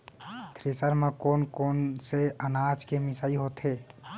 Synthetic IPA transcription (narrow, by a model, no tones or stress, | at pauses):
t̪ɾesəɾmẽkoːnkoːnseənaːd͡ʒkemɪsaːiɦoːt̪ɦeː